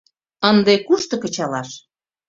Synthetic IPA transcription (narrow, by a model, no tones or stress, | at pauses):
ənd̪ekuʃt̪ɤ̆kə̆t͡ɕɑlɑʃ